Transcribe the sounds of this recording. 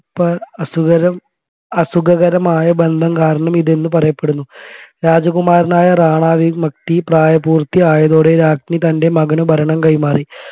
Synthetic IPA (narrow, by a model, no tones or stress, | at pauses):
pːɐɐsuɡɐɾɐm | ɐsuɡɐɣɐɾɐmaːjɐbe̞nd̪ʱɐmkaːɾɐɳɐmiðenːɨpɐrɐjɐpːe̞ɽunːuɾaːd͡ʑɐɣumaːɾɐnaːjɐraːɳaːʋimɐk̚t̪ipraːjɐbuːrt̪ːiaːjɐðoːɽe̞ɾaːkʂnit̪ɐnde̞mɐɡɐnubʱɐɾɐɳɐmkɐjmaːri